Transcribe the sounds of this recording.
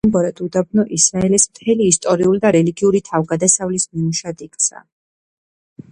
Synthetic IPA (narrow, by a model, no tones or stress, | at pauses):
mbɔɾɛd̪ʰʼud̪ab̚nɔʔisɾaɛlɛsmt̪ʰɛliːst̪ʼɔɾiulid̪aɾɛliɡiuɾit̪ʰavɡad̪asavlismimuʃad̪ikʼt̪sʰa̰